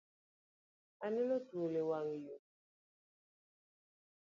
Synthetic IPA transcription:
anelotulewaŋju

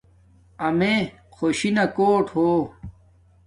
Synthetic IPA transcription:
ɐme | xʰoɕinɐkoːʈhoː

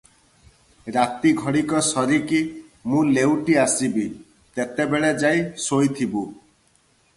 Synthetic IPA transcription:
ɾat̪iɡʱɔɽikɔsɔɾikimũlewʈiasibi | t̪et̪ebeɭed͡ʒajsojt̪ʰibu

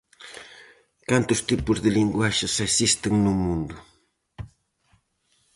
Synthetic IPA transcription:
kant̪ʊst̪ɪpʊzd̪ɪlɪŋɡwaʃasasɪst̪ɪŋnʊmʊnd̪ʊ

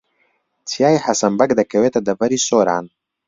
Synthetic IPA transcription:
t̪ʰijaːjħɐsɐmbɐkd̪ɐkʰɐwet̪ɐd̪ɐbɐɾisoːɾa̰ːn

